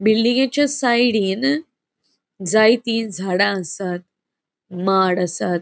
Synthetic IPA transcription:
bilːĩŋɡat͡ɕjasajɽin | d͡zajt̪iːnd͡zʱaɽãəsat̪̚ | maɽasat̪̚

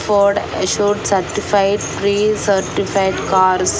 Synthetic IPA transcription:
fɔɾɖəʃuːɾɖsəɾʈifaɪʈpɾiːsəɾʈifaɪɖkaːɾs

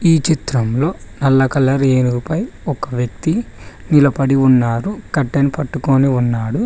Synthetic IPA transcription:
iːt͡ʃit̪ɾɐmlo̞ːnɐlːɐkɐlːɐɾeːnuɡupɐjɔkɐʋjɐk̚t̪i | nilɐpɐɽiunːaːɾukɐʈːɐnipɐʈːuko̞ːniunːaːɽu

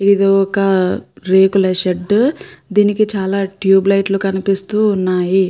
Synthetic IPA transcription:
id̪oɔkɐɾeːkulɐʃeɖːd̪iːnikit͡ʃaːlaːʈjuːblɐjʈlukɐnipist̪uːnːaːji

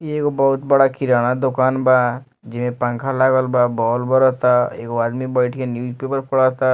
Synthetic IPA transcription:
eːkobɐɦʊt̪bɐɽakʰɪɾaːɽ̃ad̪ʊkaːnbaː | d͡ʒɪmẽpɐ̃ŋkʰalaːɡəlbabɔːlbəɾot̪aḛːkoaːd̪mibəɪʈkenjuːd͡ʒpeːpəɾpʰʊɽaɦt̪a

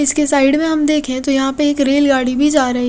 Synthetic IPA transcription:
ɪskesaːɪɖmẽɦɐmd̪eːkʰẽt̪ojɐɦãpeeːkɾeːlɡaːɽibʱid͡ʒaːɾɐɦi

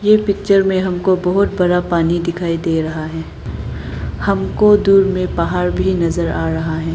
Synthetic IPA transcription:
jeːpɪk̚t͡ʃəɾmẽɦɐmkobɐɦʊt̪̚bɐɾapaːnid̪ɪkʰaːid̪eːɾɐɦaɦɛː | hɐmkod̪uːɾmẽpaɦaːɾbʱinɐzəɾaːɾɐɦaɦɛː

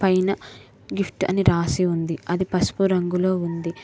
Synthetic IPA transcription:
pɐjnɐ | ɡipʰʈɐ̰niɾaːsiund̪iɐd̪ipɐsu̥puɾɐŋɡulo̞ːund̪i

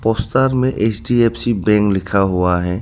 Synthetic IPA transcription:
pɔːst̪aːɾmẽʔeːt͡ʃɖieːpʰsibɛ̃ːŋklɪkʰaɦuaɦɛː

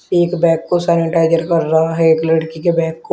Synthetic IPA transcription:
eːkbɛ̃ːkːosɛːnɪʈaːɪd͡ʒəɾkəɾːaɦaɦɛeːkləɽkikebɛ̃ːkːo

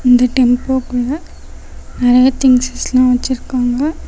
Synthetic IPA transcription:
ɪnd̪ɐʈɛmpoːkːuːɽɐ | nɪɾɐjɐt̪ɪŋsslãːʋɐt͡ʃːɪɾɯkːaːŋɡɐ

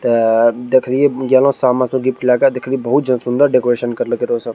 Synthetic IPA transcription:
t̪ɐd̪ekʰlijeɡalõsamasũɡipkilakad̪ekʰliebɐɦut̪̚d͡ʒɐnsũnd̪əɾɖekoɾeʃənkɐɾləkeɾosə̃

